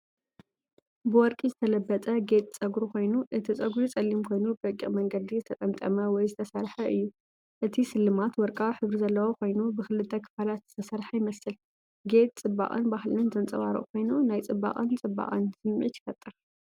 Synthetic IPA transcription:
bɨwɔɾkʼizɨt̪ʰɐlɐbːɐt͡sʼɐɡet̪ʼt͡sʼɐɡɾukʰo̞jnuʔɨt̪ʰit͡sʼɐɡɾut͡sʼɐlːimkʰo̞jnubbɐkʼiχʼmɐŋɡɐd̪izɨt̪ʰɐt̪ʼɐmt̪ʼɐmɐwɔjzɨt̪ʰɐsɐɾħɐʔɨjːu | ʔɨt̪ʰisɨlːɨmat̪wɔɾkʼawħɨβɾizɐlːɐwokʰʷo̞jnubɨxɨlɨt̪ʰːɐkʰɨ̥falat̪z̥ɨ̥t̪ʰɐsɐɾħajɪmɐsɨl | ɡe̞t̪̚ʼt͡sʼɨbːa̰χʼɨ̰nbahlɨnzɐnt͡sʼɐβaɾɨ̰ʔkʰo̞jnunajt͡sʼɨbːa̰kʼɨnt͡sʼɨbːa̰χʼɨ̰nsɨmʕḭt̪jɪ̥fɐt̪ʼːɨɾ

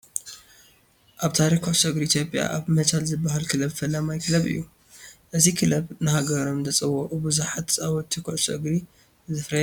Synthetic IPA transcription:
ʔaβt̪ʰaɾikʰoʕsʼɐɡɾiit̪ʰjo̞pʼja̰ʔaβmɐt͡ʃʰalzɨbːaɦalkʰɨlɐbfɐlːamajkʰɨlɐβɨ̰jːu | ʔɨzikʰɨlɐbnɨhaɡɐɾomzɐt͡sʼɨwoʔʼubuzuħat̪t͡sʼawɔt̪ʰikʰoʔsɐ̰ɡɾi | zɨfɾɐ

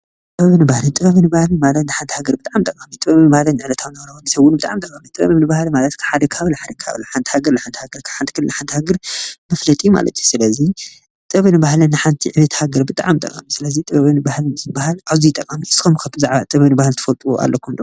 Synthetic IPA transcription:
t̪ʼɨβɐβɨnɨbahlɨt̪ʼɨbɐβɨnɨbahlɨmalɐt̪nɨħant̪ʰihaɡɐɾbɨt̪ʼaʕamt̪ʼɐkʼːamit̪ʼɨβɐβɨnɨbahlɐnʕɨlɐt̪ʰawnɐwɾɐwunisɐβʊnbɨt̪ʼa̰ʕamt̪ʼɐkʼːamit̪ʼɨβɐ̰ββnɨbahlimalɐt̪kʰaħad̪ɐkʰhaβlɨħad̪ɐkʰa̰βlɐħant̪ʰi̥haɡɐɾnɨħant̪i̥haɡɐɾkʰaħant̪ʰi̥kʰɨlːɨnɨħant̪ʰihaɡɐɾmɐflɐt̪ʼijuma̰lɐ̰t̪ʰjusɨlɐzi | t̪ʼɐβɨnɨbahlɨnɨħant̪ʰiʕɨβɐt̪ʰhaɡɐɾbɨt̪ʼaʕamt̪ʼɐ̰kʼamisɨlɐzit̪ʼɨβɐβɨnɨbahlnɨzbahalʔaβzijt̪ʼːɐkʼamiɨskʰomkʰaβɨzaʕβat̪ʼɐβɐβnɨbahalt̪ʰɐ̥fɐlt̪ʼuua̰lːokʰund̪o

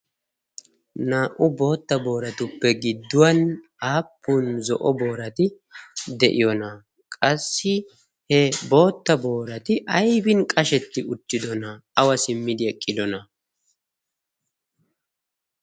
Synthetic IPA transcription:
naːʔʊbo̞ːt̪ːɐbo̞ːɾɐt̪ʊpːɛɡɪd̪ːʊwɐn | aːpːuːnzɔʔɔbo̞ːɾɐt̪ɪ | d̪ɛʔɪjɔnɐ | kʼɐsːɪ | hɛbo̞ːt̪ːɐbo̞ːɾɐt̪ɪʔɐjbɪnkʼɐʃɛt̪ːɪʊt̪ːɪd̪ɔnɐɐwɐsɪmːɪd̪ɪɛkʼːɪd̪ɔnɐ

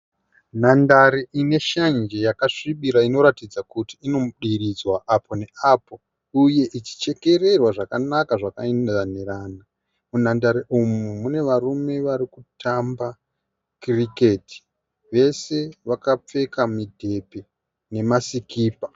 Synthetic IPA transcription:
nandaɾiʔine̞ʃand͡ʒejakaʂiɓiɾaino̞ɾatid͡zakutiino̞mɗiɾid͡zwaʔapʰo̞ne̞apo̞ | uje̞ʔit͡ʃi̥t͡ʃe̞ke̞re̞rwaʐakanakaʐakaendaneraːna | munandaɾiʔumumune̞ʋarume̞ʋaɾikutʰamba | krike̞ti̥ | ʋe̞se̞ʋakap͡fe̞kamidʱe̞pe | ne̞masikiːpa

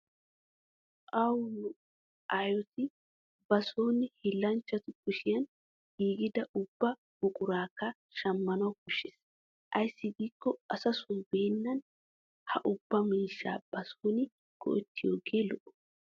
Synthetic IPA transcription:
ʔɐwlʊ | ʔajɔt̪ɪ | bɐsoːnɪhɪlːɐnt͡ʃːɐt̪ʊkʊʃɪjɐn | ɡiːɡɪd̪ɐʔʊbːɐ | ɡ̥ʊkʼʊɾaːka | ʃɐmːɐnʊkʊʃːɪs | ʔɐjsɪɡ̪iːkːɔɐsɐsʊnbe̞ːnːɐn | hɐʔʊbːɐmiːʃa̰ːb̥ɐsoːnɪ | ɡ̥ɔ̰ʔt̪ːɪjoːɡeːlɔʔʊ̥

